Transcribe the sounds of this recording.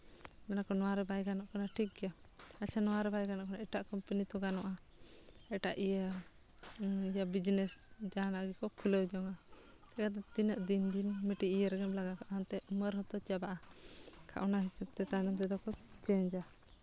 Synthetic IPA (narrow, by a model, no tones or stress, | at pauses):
mɛnakɔnɔwaɾɛbajɡanɔʔkanaʈʰik̚ɡɛja | at͡ʃʰanɔwaɾɛbajɡanɔʔkɔnaʔɛʈaʔkɔmpənit̪ɔɡanɔʔa | ɛʈaʔijə | ijabid͡ʒnɛsd͡ʒanaʔɡɛkɔkʰuləwd͡ʒɔŋa | t̪akat̪̬ɛt̪inəʔd̪ind̪inmɛʈiijəɾɡɛmlaɡakɔʔɦant̪ɛʔməɾɦɔt̪ɔt͡ʃabaʔakʰa̰ʔɔnaɦisɛb̚t̪ɛt̪anɔmt̪ɛd̪ɔkɔ | t͡ʃɛɲd͡ʒa